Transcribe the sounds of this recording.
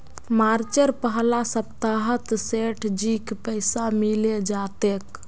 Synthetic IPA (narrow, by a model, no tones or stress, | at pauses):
maɾt͡ʃəɾpəɦlasəbt̪aɦət̪seʈʰd͡ʒikpəɪsamiled͡ʒat̪ek